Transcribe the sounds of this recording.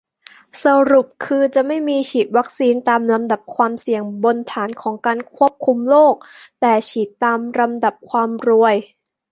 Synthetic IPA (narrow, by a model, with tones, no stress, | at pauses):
sa˧ɾu˨˩p̚kʰɯː˧t͡ɕa˨˩ʔma˥˩jmiː˧t͡ɕʰiː˨˩t̪̚wa˦˥k̚siː˧nt̪aː˧mla˧mda˨˩p̚kʰwaː˧msi˨˩əŋbo˧nt̪ʰaː˩˦nkʰɔː˩˦ŋkaː˧nkʰu˥˩əp̚kʰu˧mloː˥˩k̚t̪ɛː˨˩t͡ɕʰiː˨˩t̪ːaː˧mɾa˧mda˨˩p̚kʰwaː˧mɾu˧əj